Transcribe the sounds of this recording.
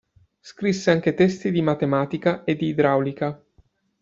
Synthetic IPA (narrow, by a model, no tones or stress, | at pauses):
skɾisːeaŋk̟et̪ɛst̪id̪imat̪emaːt̪ikaʔed̪ːiːd̪ɾawlika